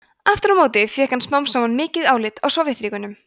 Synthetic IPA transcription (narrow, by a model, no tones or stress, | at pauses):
aft̪ʏɾawmoːwt̪ɪfjɛːhkansmawmsawanmɪːcɪðaːwlɪt̪ɔɣsɔwvɾɪhθɾiːkʏnʏm